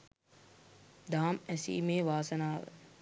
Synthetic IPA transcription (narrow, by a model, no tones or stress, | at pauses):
d̪aːmæsḭːmeːʋaːsɐnaːʋə̰